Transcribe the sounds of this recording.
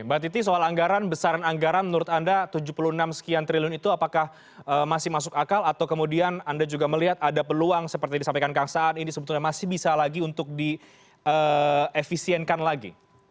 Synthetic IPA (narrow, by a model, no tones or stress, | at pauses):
bat̪̬it̪isoalaŋɡaɾanbəsaɾanaŋɡaɾanmənuɾʊt̪andat̪ud͡ʒuhpulunamsə̥kiant̪ɾiliʊnit̪uapakah | əːmasɪhmasʊkakalat̪awkəmudianandad͡ʒuɡaməliɦat̪̚adapəluaŋsəpərt̪idisampajkankaŋsaːninisəbət̪uɲamasɪhbisalaɡiunt̪ʊk̚di | əefisiɛnkanlaɡḭ